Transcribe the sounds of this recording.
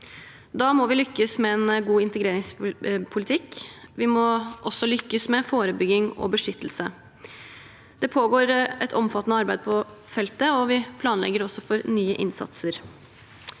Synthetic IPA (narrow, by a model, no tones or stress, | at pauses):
d̪ɑːmɔʋɪlʏkːəsmɛɛnɡuːɪnt̪əɡɾeːɾɪŋspʰʊlɪt̪ʰɪkʋɪmɔʔɔsːɔlʏkːəsmɛfoːɾəbʏɡɪŋɔ̰bəʂʏt̪ːəl̩sə | d̪̥ɛpʰoːɡoːɾɛt̪ʰɔmfɑt̪ːənəɑɾbæɪd̪̚pʰɔfɛlt̪əɔʋɪpʰlɑːnlɛ̰ɡəɾɔsːɔfɔɾnyːəʔɪ̰nsɑ̰t̪səɾ